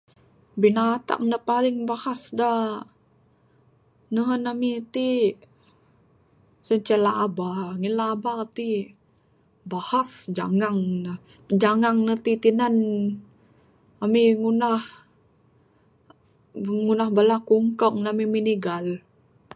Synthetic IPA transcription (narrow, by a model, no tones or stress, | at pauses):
binat̪a̰k̚nəpalɪŋbahasda | nəɦənamit̪i | səɲt͡ʃɛlaʔːbaŋilaːbat̪i | bahasd͡ʒa̰ŋaŋnə | d͡ʒaŋaŋnət̪it̪inan | amiŋunah | ŋunahbalakuŋkək̚namiminiɡal